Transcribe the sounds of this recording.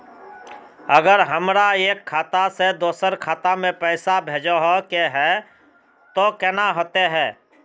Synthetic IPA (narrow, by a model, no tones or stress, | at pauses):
əɡəɾɦəmɾaeːkʰːaːt̪ased̪oːsəɾkʰaːt̪amẽpɛːsabʱeːd͡ʒoɦokeɦɛː | t̪okɛːnaɦoːt̪eɦɛː